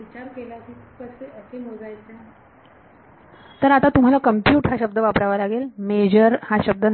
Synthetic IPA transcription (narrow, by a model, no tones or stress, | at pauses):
ʋit͡ɕaɾkelakikʰukəseʔəsemod͡zajt͡se | t̪əɾat̪at̪um̤alakəmpjuːʈɦaɕəb̚d̪əʋapɾaʋalaɡelmed͡ʑəɾhaɕəb̚d̪ə